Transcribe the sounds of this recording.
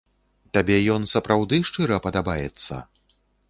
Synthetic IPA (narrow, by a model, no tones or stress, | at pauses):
t̪abʲɛjɔnsɐpɾawd̪ɨʂt͡ʂɨɾɐpɐd̪abajɛt̪sːɐ̰